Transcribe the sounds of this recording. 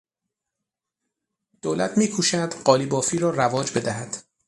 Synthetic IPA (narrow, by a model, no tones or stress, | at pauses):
d̪̥oːlæt̪ʰmiːkʰuːʃæd̪̥ɢɒːlibɒːfiːɾɒːrævɒːd͡ʒbe̞d̪æɦæd̪̥